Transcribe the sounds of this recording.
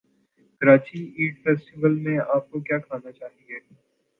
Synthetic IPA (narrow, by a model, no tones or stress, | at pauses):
kɐɾaːt͡ʃiiːʈfɛːsʈɪʋəlmẽaːp̚kokjaːkʰaːnat͡ʃaːɦĩeː